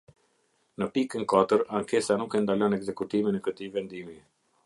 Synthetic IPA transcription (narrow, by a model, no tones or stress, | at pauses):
nəpikənkat̪əɾaŋkɛsanukɛnd̪alɔnɛɡzɛkut̪iminɛkət̪ivɛnd̪imi